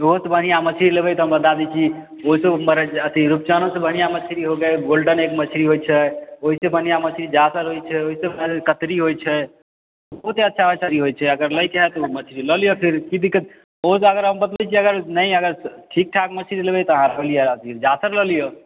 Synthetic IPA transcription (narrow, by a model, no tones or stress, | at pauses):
boɦut̪bənijamət͡ʃʰiɾilebɛjt̪ɔɦəmbət̪ad̪it͡ʃʰi | oɦiseməɾət̪iɾup̚t͡ʃanosebʱənijamət͡ʃʰiɾiɦoɡɛɡolɖənekmət͡ʃʰiɾiɦojt͡ʃʰɛoɦisebʱənijamət͡ʃʰɾid͡ʒasəɾɦojt͡ʃʰɛoɦisekət̪ɾiɦojt͡ʃʰɛ | bəɦut̪eətːʃʰaət͡ʃʰəɾiɦojt͡ʃʰɛəɡəɾləjkeɦɛt̪ɔumət͡ʃʰɾiləlijopʰiɾkid̪ikət̪ | oɦseəɡəɾɦəmbət̪əld̪ɛt͡ʃʰiəɡəɾnəjəɡəɾʈʰik̚ʈʰakmət͡ʃʰɾilebɛjt̪ɔəɦãɾəɦlijət̪id͡ʒasəɾləlijo